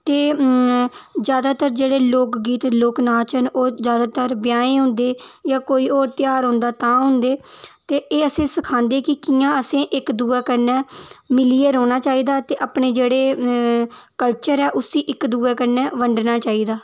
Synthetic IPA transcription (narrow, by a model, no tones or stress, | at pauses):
t̪eː | zjaːd̪aːt̪əɾd͡ʒeːɽeːloːkɡiːt̪loːknaːt͡ʃənoːzjaːd̪aːt̪əɾbɪjaːẽːɦʊ̃nd̪eːjãːkoːiːoːɾt̪ɪjaːɾɦʊ̃nd̪aːt̪ãːɦʊ̃nd̪eːt̪eːeːəsẽːsəkʰãːnd̪eːkɪkiːãːəsẽːʔɪkd̪uːɛːkəɾnɛːmɪliːeːɾoːnaːt͡ʃaːiːd̪aːt̪eːʔaːpɳeːd͡ʒeːɽeː | kəlt͡ʃəɾɛːʔʊsd̪iːʔɪkd̪uːɛːkəɾnɛːʋəɳɖnaːt͡ʃaːiːd̪aː